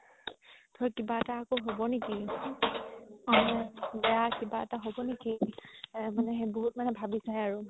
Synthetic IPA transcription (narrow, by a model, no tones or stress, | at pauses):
tʰɔɹkibaɛtaːkoɦobɔneki | amɛbɛjakibaɛtaɦobɔneki | manɛɦeboɦut̚manɛbʱabisajaɹʊ